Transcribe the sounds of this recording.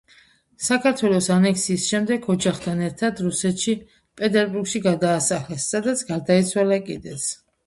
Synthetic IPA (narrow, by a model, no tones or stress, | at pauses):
sakʰaɾt̪ʰwɛlˠɔsanɛksiːsʃɛmd̪ɛɡʰɔd͡ʒaχt̪ʰanɛɾt̪ʰad̪ɾusɛt̪ʃi | pʼɛt̪ʼɛɾbuɾɡʃiɡad̪aːsaχlɛsːad̪at̪sʰɡaɾd̪ait̪sʰwalakʼid̪ɛt̪sʰ